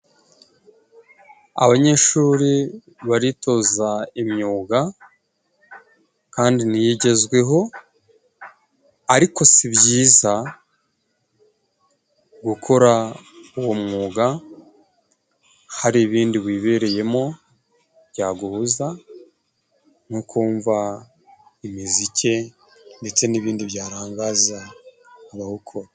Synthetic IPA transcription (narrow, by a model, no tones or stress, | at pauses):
a̰βaɲe̞ʃuːɾi | βaɾito̞zaimɲuːɡa | kaːndinijiɟe̞zɡwe̞ɦo̞ | aɾiko̞sibjiːza | ɡukʰo̞ɾauwo̞mŋuːɡa | haɾiβiːndiβwiːβe̞ːɾe̞je̞mo̞ | βjaːɡuhuza | n̥ukʰuːɱva | imizice̞ | nde̞t͡se̞niβiːndiβjaːɾaːŋɡaːzaː | βahukʰoɾa